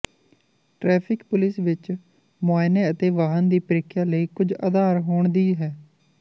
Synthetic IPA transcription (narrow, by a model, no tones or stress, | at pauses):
ʈɾɛːpʰɪkpʊlɪsʋɪt͡ʃ | maːɪneːət̪eːʋaːɦənd̪iːpəɾɪkʰːjaːləiːkʊd͡ʒa̰d̪aːɾɦoːɳd̪iːɦɛː